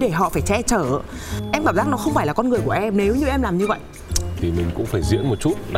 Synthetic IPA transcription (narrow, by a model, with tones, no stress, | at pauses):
ɗe˧˩ɦɔ̰˧˨faː˧˩jt͡ɕɛ˧t͡ɕəː˧˩˨ʔɛ˧mkaː˧˩mzaː˦˥k̚nɔ˨˦xə˧wŋ͡mfaː˧˩jlaː˨˩kɔ˧nŋɨ˨˩əjku˧˩ʔɛ˧mne˨˦wɲɨ˧ʔɛ˧mlaː˨˩mɲɨ˧və̰˧˨jʔ | t̪ʰi˨˩mï˨˩ŋ̟kʊ̰˧˥ŋ͡mfaː˧˩jzḭ˧˥ənmo˨˩t̚t͡ɕu˦˥t̚ɗ